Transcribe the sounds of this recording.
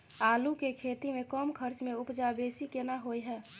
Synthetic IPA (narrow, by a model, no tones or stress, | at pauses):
aːlukekʰet̪imẽkəmkʰəɾt͡ʃmeʊpd͡ʒabesikenaɦojɦɛː